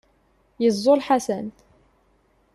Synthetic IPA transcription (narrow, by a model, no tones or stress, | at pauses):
jəzˤːolħasæn